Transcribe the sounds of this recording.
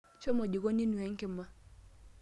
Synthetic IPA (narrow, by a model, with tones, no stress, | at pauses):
t͡ʃo˦mo˨d͡ʒi˨ɡo˦ni˦nwɛ˨ŋkɪ˨ma˦